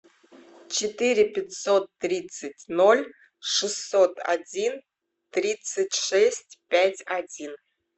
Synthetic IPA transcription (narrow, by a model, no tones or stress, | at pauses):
t͡ɕɪt̪ɨɾʲɪpʲɪtʲsot̪ːɾʲit̪sɨtʲnolʲ | ʂɨsːot̪a̰dʲin | t̪ɾʲit̪sɨtʲʂɛsʲtʲpʲætʲadʲin